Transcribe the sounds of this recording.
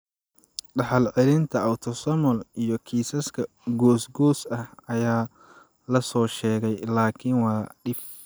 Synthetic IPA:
ɖɐħɑlʕɛlɪnt̪ʰɐɐwt̪ʰɔsɐmɔlijɔkʰiːsɐskʰɐ | ɡɔːsɡɔːsɐhɐjaː | lɐsɔːʃɛːɣɛjlaːkʰɪnwɑːɖɪf

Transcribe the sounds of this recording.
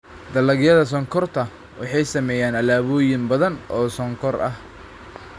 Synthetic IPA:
d̪ɐlɐɡjɐðɐs̬ɔŋkʰɔrt̪ʰɐ | wɑħɑjsɐmɛːjaːnɐlaːβɔːjɪmbɐðɐnʔɔːsɔŋkʰɔrʔɐ̰h

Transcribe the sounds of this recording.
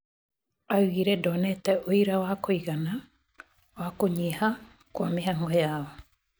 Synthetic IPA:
auɣiɾɛdɔnɛtɛʔoiɾawakoiɣana | wakoɲeha | kwameɦaŋɡɔjaɔ

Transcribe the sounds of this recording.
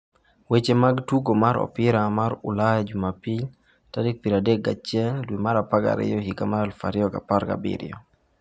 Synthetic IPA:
wet͡ʃemaɡtuɡomaɾɔ̰pɪɾamaɾʊlajad͡ʒumapil | tadek̚piɾadeɡa̰t͡ʃjɛldwimaɾapaɡa̰ɾɪ̰jɔɦikamaalfaɾɪɔka̰paɾɡa̰bḭɾɪ̰ɔ

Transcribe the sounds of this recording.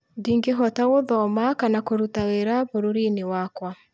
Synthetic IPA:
diːŋɡeɦɔtaɣoðɔmakanakoɾutaweɾaβoɾoɾinewakwa

